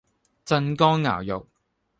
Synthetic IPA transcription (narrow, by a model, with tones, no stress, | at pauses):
t͡sɐ˧nkɔː˥ŋŋa̰ː˨˩wjʊ̰˨k̚